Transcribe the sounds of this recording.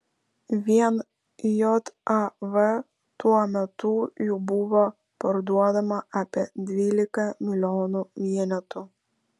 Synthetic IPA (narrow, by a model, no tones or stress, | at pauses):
vjɛn | jɔt̪avə | t̪uamɛt̪ujubuva | pəɾd̪uaðɛmaʔapɛd̪vilikɛmilʲɔnuvjɛnɛt̪u